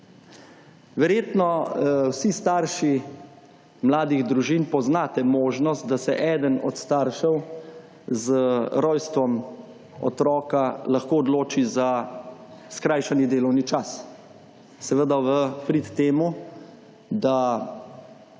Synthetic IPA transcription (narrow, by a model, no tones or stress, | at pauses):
ʋɛɾjeːt̪nɔwsist̪aːɾʃi | mlaːd̪iɣd̪ɾuʒiːnpɔznaːt̪ɛmoːʒnɔst̪̚d̪asɛʔɛːd̪ənɔ̰t̪st̪aɾʃɛw | zɾɔjst̪ʋɔm | ɔ̰t̪ɾɔːkalaxkoːɔd̪loːt͡ʃiza | skɾajʃanid̪eːlɔwnit͡ʃas | sɛʋəd̪aʋəpɾit̪ːeːmu | d̪a